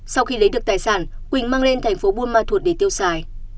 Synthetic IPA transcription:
sa˧wxi˧lə˨˦jɗɨ˨˩ək̚t̪aː˨˩jsaː˧˩n | kwï˧˩ŋ̟maː˧ŋle˧nt̪ʰɛ˨˩jŋ̟fo˨˦ɓu˧ənmaː˧t̪ʰu˨˩t̚ɗe˧˩t̪i˧əwsaː˧˩j

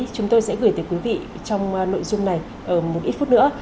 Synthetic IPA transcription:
t͡ɕʊ˨˦ŋ͡mt̪o˧jsɛ̰˧˥ɣɨː˧˩jt̪ə˨˦jkwi˨˦vḭ˧˨ | t͡ɕɔ˧wŋ͡mno̰˧˨jzʊ˧ŋ͡mna˨˩j | ʔəː˧˩mo˨˩t̚ʔi˦˥t̚fu˦˥t̚nɨ̰˧˥ə

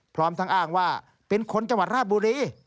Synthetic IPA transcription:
pʰɾɔː˦˥mt̪ʰa˦˥ŋʔaː˥˩ŋwaː˥˩ | pe˧nkʰo˧nt͡ɕa˧ŋwa˨˩t̪̚ɾaː˥˩t̪̚buː˧ɾiː˧

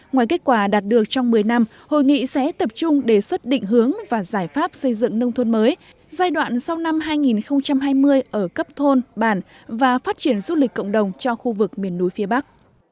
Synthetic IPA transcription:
ŋwaː˨˩jke˦˥t̚kwaː˧˩ɗaː˨˩t̚ɗɨ˨˩ək̚t͡ɕɔ˧ŋ͡mmɨ˨˩əjna˧m | ho̰˧˨jŋḭ˧˨sɛ̰˧˥t̪ə˨˩p̚t͡ɕʊ˧ŋ͡mɗe˧˩swə˦˥t̚ɗḭ̈˧˨ŋ̟ɦɨ˨˦əŋvaː˨˩zaː˧˩jfaː˦˥p̚sə˧jzɨ̰˧˨ŋnə˧wŋ͡mt̪ʰə˧nməː˨˦j | zaː˧jɗwa̰ː˧˨nsa˧wna˧mɦaː˧jŋi˨˩nxə˧wŋ͡mt͡ɕa˧mɦaː˧jmɨ˧əjʔəː˧˩kə˦˥p̚t̪ʰo˧nɓaː˧˩n | vaː˨˩faː˦˥t̚t͡ɕi˧˩ənzu˧li˨˩k̟kːə̰˧˨wŋ͡mɗə˨˩wŋ͡mt͡ɕɔ˧xu˧vɨ˨˩k̚mi˨˩ənːu˨˦jfi˨˦ɓa˦˥k̚

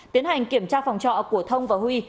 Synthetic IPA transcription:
t̪i˨˦ənha˨˩jŋ̟ki˧˩əmt͡ɕaː˧fɔ˨˩wŋ͡mt͡ɕɔ̰˧˨ku˧˩ət̪ʰə˧wŋ͡mvaː˨˩hwi˧

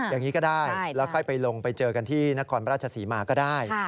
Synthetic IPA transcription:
jaː˨˩ŋːiː˦˥kɔː˥˩daː˥˩jlɛ˦˥wkʰɔ˥˩jpa˧jlo˧ŋpa˧jt͡ɕɤː˧ka˧nt̪ʰiː˥˩na˦˥kʰɔː˧npʰɾaː˥˩t̚t͡ɕʰa˧siː˩˦maː˧kɔː˥˩daː˥˩j

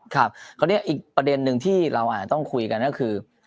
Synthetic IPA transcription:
kʰa˦˥˩p̚kʰa˥˩ni˦˥˩ɐʔiː˨˩k̚pɾa˧de˧nːɯ˨˧ŋt̪ʰiː˥˩ɾa˧wʔaː˨˩t͡ɕa˨˧t̪ɔ˥˩ŋkʰu˧jka˧nkɔ˥˩kʰɯː˧

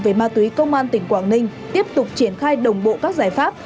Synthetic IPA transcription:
ve˨˩maː˧t̪wi˨˦kə˧wŋ͡mʔaː˧nt̪ï˨˩ŋ̟kwaː˧˩ŋnï˧ŋ̟t̪i˦˥əp̚t̪ʊ˨˩k͡p̚t͡ɕi˧˩ənxaː˧jɗə˨˩wŋ͡mɓo̰˧˨kaː˦˥k̚zaː˧˩jfaː˦˥p̚

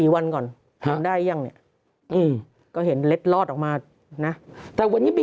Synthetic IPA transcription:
iː˨˩˦wa˧nkɔː˨˩n | t̪ʰa˨˧˦mdaː˥˩jja˧ŋni˦˥˩ɐ | ʔɯː˧˩m | kɔː˥˩ɦe˩˦nle˦˥t̪̚lɔː˥˩ʔɔː˨˩k̚maː˧ | na˦˥t̪ɛː˨˩wa˧niː˦˥mi˧

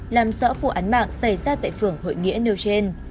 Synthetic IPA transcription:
laː˨˩mzɔ̰˧˥fu˧˩ʔaː˨˦nma̰ː˧˨ŋsa˧˩jzaː˧t̪a̰ː˧˨jfɨ˧˩əŋho̰˧˨jŋḭ˧˥əne˧wt͡ɕe˧n

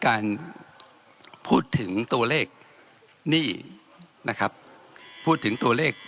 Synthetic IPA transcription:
kaː˧n | pʰuː˥˩t̪ʰːɯ˩˦ŋt̪u˧ɐleː˥˩k̚ | niː˥˩ | nʔa˦˥kʰɾa˦˥p̚ʰː | uː˥˩t̪ʰːɯ˩˦ŋt̪u˧ɐleː˥˩k̚

